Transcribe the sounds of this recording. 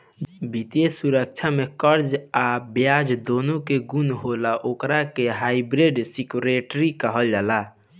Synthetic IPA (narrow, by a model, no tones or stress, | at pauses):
bit̪esuɾək̚t͡ʃʰamekəɾd͡ʒabjad͡ʒd̪onokeɡunɦolaʔokɾakeɦaɪbɾeɖsikuɾeʈɾikəɦəld͡ʒaːla